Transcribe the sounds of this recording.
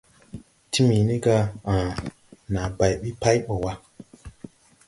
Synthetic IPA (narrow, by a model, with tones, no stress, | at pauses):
ti˦mi˨ni˦ɡa˧ã˨ | na˨ba˨jɓi˦pa˦jɓo˨wa˦